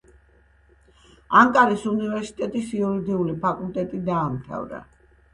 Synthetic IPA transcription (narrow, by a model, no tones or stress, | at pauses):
aŋkʼaɾisunivɛɾsi̥t̪ʼɛt̪ʼisiuɾid̪iulipʰakʼult̪ʼɛt̪ʼid̪aːmt̪ʰa̰vɾa̰